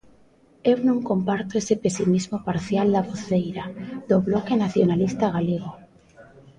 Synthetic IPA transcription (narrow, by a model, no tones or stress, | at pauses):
ewnõŋkompaɾt̪oesepesimizmopaɾθjald̪aβoθejɾad̪oβlokenaθjonalist̪aɣ̞aleɣ̞o